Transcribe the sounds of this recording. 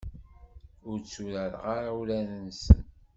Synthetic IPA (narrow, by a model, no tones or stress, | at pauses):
ʊɾt͡sːuɾəɾ̰ʁaɾawulænənsən